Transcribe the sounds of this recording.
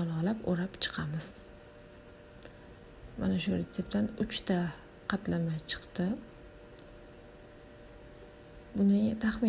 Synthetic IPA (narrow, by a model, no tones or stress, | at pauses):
ɒlˠɒlapoɾapt͡ʃʰɨ̥qʰɑmɪz̥ | ma̰naʃʊɾet̪se̞p̚t̪ʰanʊt͡ʃt̪ʰa | qʰɑt̪lamajt͡ʃʰɨ̥qt̪ɪ | bʊnɪt̪ʰaχmɪ